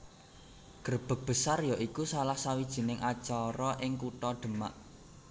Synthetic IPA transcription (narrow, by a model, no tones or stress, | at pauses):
ɡ̥ərb̥ə̤k̚b̥ə̤sarjɔʔikusalahsawid̥ʒ̥i̤nɪŋʔat͡ʃɔɾɔʔɪŋkuʈɔɖ̪̥ə̤ma̰ʔ